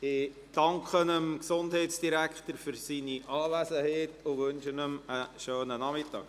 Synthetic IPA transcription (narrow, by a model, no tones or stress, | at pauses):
ɪ | d̥ɑŋkχənəmksʊndhɛɪtsd̥iɾækχtəɾfʏɾsiniʔɑːʋæsəhɛːtʊʋɵnʃənəməʃøːnənɑmɪtːɑ̰ːk